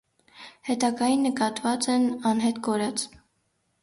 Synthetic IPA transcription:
hɛt̪ɑɡɑjinːəkɑt̪vɑt͡sɛnɑnɦɛt̪kɔɾɑt͡s

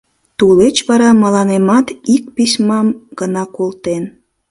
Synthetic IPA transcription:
t̪ulet͡ɕβɑɾɑmɑlɑnemɑt̪ik̚pisʲmɑmɡ̥ənɑkolt̪en

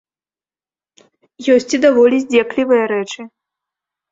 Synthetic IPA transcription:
jɔsʲt͡sʲid̪avɔlʲizʲd͡zʲɛklʲivɨjɐɾɛt͡ʂɨ

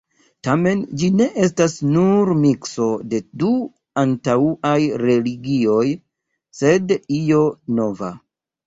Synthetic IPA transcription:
tame̞nd͡ʒine̞ʔe̞s̬tasnuɾmikso̞de̞du | antauʔajɾe̞liɡio̞j | se̞dio̞no̞va̰

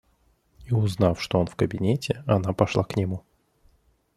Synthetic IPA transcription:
iʊznafʂt̪oonfkəbʲɪnʲetʲɪɐnapɐʂlˠaknʲɪmu

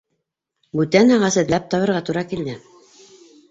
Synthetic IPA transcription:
bʉt̪ænæʁæsɘ̆t̪læp̚t̪ɑβɤ̆ɾʁɑt̪uɾɑkild̪ɘ

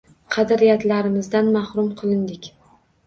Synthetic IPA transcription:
qʰɑd̪aɾijat̪laɾɪmɪzd̪anmahɾʊmqʰɨlˠɪnd̪ɪkʲ

